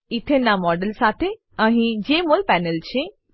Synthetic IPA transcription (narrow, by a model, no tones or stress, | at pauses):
ɪt̪ʰenːãmɔːɖəlsaːt̪ʰe | ɐɦĩd͡ʒeːmolpɛːnəlt͡ʃʰe